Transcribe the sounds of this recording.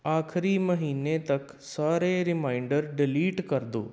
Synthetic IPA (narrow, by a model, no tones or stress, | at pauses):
aːkʰɾiməɦiːnet̪ɐk | saːɾeɾɪmaːɪɳɖəɾɖɪliːʈkɐɾd̪o̰ː